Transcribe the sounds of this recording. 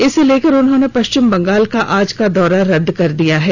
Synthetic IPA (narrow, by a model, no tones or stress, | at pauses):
ɪseleːkɐɾʊnɦõːnepɐʃt͡ʃɪmbɐ̃ŋɡaːlkaʔaːd͡ʒkad̪ɔːɾaɾɐd̪ʱːkɐɾd̪ijaɦɛː